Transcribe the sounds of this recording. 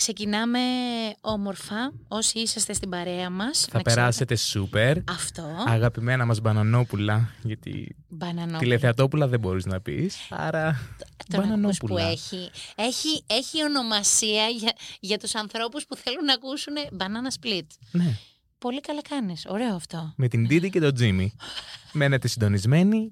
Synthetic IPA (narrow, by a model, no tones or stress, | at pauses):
kse̞cinɐme̞o̞mo̞ɾfɐ | o̞siisɐst̪e̞st̪ibɐɾe̞ɐmɐsθɐɐpeɾɐse̞t̪esupe̞ɾɐft̪o̞ɐɣɐpime̞nɐmɐzbɐnɐno̞pulɐʝɐt̪ḭ | bɐnɐnot̪ileθeɐt̪o̞pulɐðebo̞ɾiznɐpḭsɐ̰ɾɐbɐnɐnospuluɐeçieçieçio̞no̞mɐsiɐɐʝɐt̪usɐnθɾo̞puspuθe̞lunːɐkusunebɐnɐnɐsplit̪ne̞ | po̞likɐlɐkɐniso̞ɾe̞oɐft̪o̞me̞t̪ind̪id̪ice̞t̪o̞d͡zimime̞ne̞t̪e̞sind̪o̞nizme̞ni